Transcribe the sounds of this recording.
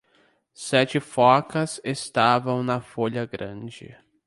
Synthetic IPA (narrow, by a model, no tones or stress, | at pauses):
sɛt͡ʃɪfɔkɐsest̪avɐ̃w̃nɐfoʎɐɡɾɐ̃d͡ʒɪ̰